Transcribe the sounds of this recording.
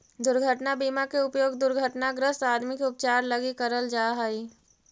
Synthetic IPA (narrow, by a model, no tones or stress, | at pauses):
d̪ʊɾɡʱəʈnabiːmakeʊpjoːɡd̪ʊɾɡʱəʈnaɡɾəst̪aːd̪mikeʊp̚t͡ʃaːɾləɡikəɾəld͡ʒaːɦaiː